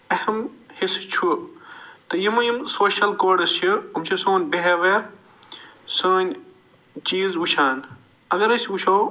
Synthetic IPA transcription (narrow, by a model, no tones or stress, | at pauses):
ɐhɐmhist͡ʃʰu | t̪ɨjimujimsoːʃɐlkoːɖɐst͡ʃʰɨumt͡ʃʰisoːnʲbeɦeʋe | soːnʲ | t͡ʃiːzʋuʃʰaːn | ɐɡɐɾɐsʲʋuʃʰoː